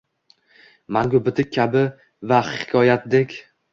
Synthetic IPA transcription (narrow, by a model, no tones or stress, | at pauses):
maŋɡʲʊbɪt̪ʰɪk̚ʲʰːabɪ | vahɪ̥kʲʰɒjat̪̚d̪ekʲ